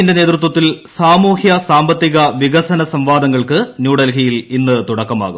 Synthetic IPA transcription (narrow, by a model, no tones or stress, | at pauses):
inde̞neːt̪ɾut̪̬wɐt̪ːilsaːmuːhjɐsaːmbɐt̪ːiɣɐʋiɣɐsɐnɐsɐmʋaːd̪ɐŋːɐɭkɨnjuːɽɐlɦijilinːɨt̪uɽɐkːɐma̰ːɣum